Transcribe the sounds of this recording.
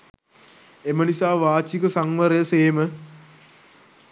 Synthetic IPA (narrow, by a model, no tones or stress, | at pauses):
emənisaːʋaːt͡ʃikəsaŋʋɐɾəjəseːmə